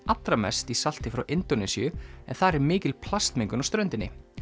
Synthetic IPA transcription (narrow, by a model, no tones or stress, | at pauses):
at̪ɾamɛ̰st̪isal̥t̪ɪfɾawʔɪnt̪onɛsiʏɛnθaðɾɛɾmɪːcɪlpʰlast̪mɪŋkʏnawst̪ɾœɥnt̪ɪnːɪ̰